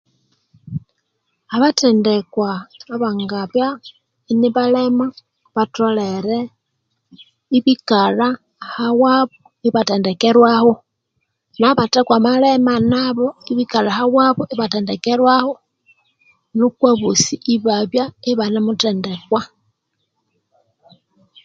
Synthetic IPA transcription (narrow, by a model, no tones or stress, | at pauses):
aβatendekwaːβaŋɡaβja | iniβalema | βatoleɾe | iβikala | hawaβo | iβatendekeɾwaho | naβatekwamalemanaβoiβikalahawaβoʔiβatendekeɾwaho | nukwaβusiʔiβaβjaiβanemutendekwa